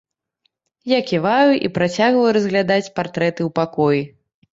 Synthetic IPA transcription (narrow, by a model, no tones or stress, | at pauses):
jakʲivajuʔḭpɾat͡sʲaɣvɐjuɾɐzʲɣlʲad̪at͡sʲpart̪ɾɛt̪ɨwpakɔji